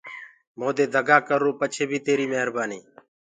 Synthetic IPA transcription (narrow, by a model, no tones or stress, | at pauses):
moːd̪eːd̪ʱəɡaːkəɾoːpət͡ʃʰeːbʱiːt̪eːɾiːməɦəɾbaːniː